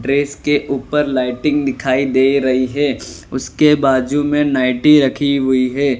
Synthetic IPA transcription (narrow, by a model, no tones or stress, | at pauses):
ɖɾeːskeʔuːpəɾlaːɪʈɪ̃ŋɡd̪ɪkʰaːid̪eːɾɐɦiɦɛːʊskebaːd͡ʒumẽnaːɪʈiɾɐkʰiɦʊiɦɛː